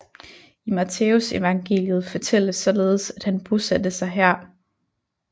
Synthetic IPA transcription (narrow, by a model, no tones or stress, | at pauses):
imæt͡sʰeːuse̝ʋɑ̈ŋɡ̥e̝̰ːljəð̞ˠfɒt͡sʰel̰əsːɒ̽le̝ːð̞ˠsæd̥hænb̥usæd̥əsɑ̈ɪɦæɐ̰